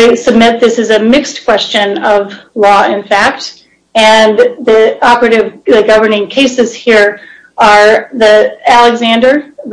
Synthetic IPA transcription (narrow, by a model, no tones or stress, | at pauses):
sɨb̚mɪt̪̚ðɪsɨzɨmɪkskʰw̥ɛst͡ʃɨ̃nʌvlɔɪ̃nfæk̚t | ɨ̃nðiɑpə˞ɨɾɨvɨɡʌvə˞nɪ̃ŋkʰeɪsɨz̥hiɹ | ə˞ðiælˠɨɡzæ̃ndə˞